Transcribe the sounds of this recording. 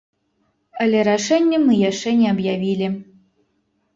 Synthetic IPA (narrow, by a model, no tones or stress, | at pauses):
alʲɛɾaʂɛnʲːɛmɨjaʂɛnʲɛɐbjavʲilʲi